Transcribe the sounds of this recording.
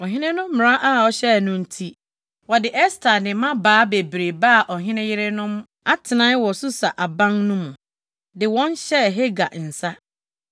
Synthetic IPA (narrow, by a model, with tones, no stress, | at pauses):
ɔ˨ɦɪ̃˦nɪ̃˦nʊ̃˦m̩˦mɪ̃˨ɾã˦ʔa˦˨ɔ˨ɕɛ˦˨nʊ̃˦n̩˦tʰi˦ | wɔ˨dɪ˨ʔɛ˦stʰa˨nɪ̃˨mã˦baː˨˦be˨bɾe˨ba˦˨ʔɔ˨ɦɪ̃˦nɪ̃˦jɪ˦ɾe˦nʊ̃˦m˦ | a˦tʰɪ˨nã˦n˦wɔ˨sʊ˦sa˨ʔa˨bã˦ŋnʊ̃˦mʊ̃˨ | dɪ˨wɔ̃˦n˦ɕɛ˦˨ɦe˦ɡa˨n̩˨sa˦